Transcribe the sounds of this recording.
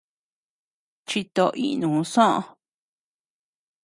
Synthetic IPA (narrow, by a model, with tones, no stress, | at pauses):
t͡ʃi˧t̪o˧ʔḭ˦ʔnũ˨ũ˧sõ˦ʔõ̰˧